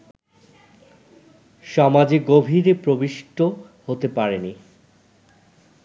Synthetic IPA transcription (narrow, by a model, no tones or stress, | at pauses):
ʃɔmad͡ʑeɡobʱiɾepɾobiʃʈʰo | hot̪epaɾeni